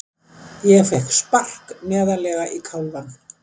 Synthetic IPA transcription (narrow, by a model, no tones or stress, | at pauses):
jɛɣfɛhkspar̥knɛːðalɛːɣaʔikʰawlvan